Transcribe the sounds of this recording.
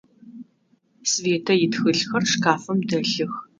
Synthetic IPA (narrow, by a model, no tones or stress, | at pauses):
sveːtʰɐjɪtxɨɮxɐrʂkʰaːfɐmdɐɬɨx